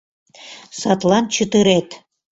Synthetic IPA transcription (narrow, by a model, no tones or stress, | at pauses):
sɑt̪lɑnt͡ɕət̪əɾet̪